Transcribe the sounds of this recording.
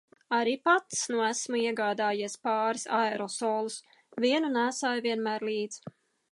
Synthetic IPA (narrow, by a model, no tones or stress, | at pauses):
aɾiːpat̪snuɔæsmuiɛɡɑːd̪aːjiɛspɑːɾisaeɾɔsɔːlˠus | viɛnunæːsaːjviɛnmæːɾliːd̪z̥